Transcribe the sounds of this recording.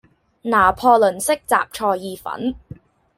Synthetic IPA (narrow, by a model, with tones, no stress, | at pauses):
naː˨˩pʰɔː˧lɵ˨˩nsɪ˥k̚t͡sa̰ː˨p̚t͡ʃʰɔː˧jjiː˧fɐ̰˨˥n